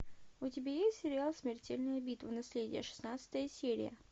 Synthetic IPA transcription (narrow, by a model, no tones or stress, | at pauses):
ʊtʲɪbʲajesʲtʲsʲɪɾʲɪalˠsʲmʲɪrtʲelʲnəjəbʲit̪vənɐsʲlʲedʲɪ̰jə̰ʂɨ̥snat̪sə̥t̪əjəsʲeɾʲɪ̰jə̰